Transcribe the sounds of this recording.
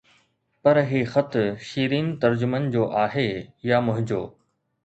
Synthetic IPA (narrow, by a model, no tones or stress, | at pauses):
pɐɾɦixɐt̪ʃiːɾiːnt̪ɐɾd͡ʑʊmən̆d͡ʑoːʔaːɦeːjamʊɦɪd͡ʑoː